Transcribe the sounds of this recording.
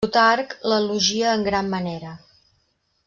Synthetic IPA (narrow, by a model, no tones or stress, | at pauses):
ut̪aɾkləluʒiəːŋɡɾamːəneɾə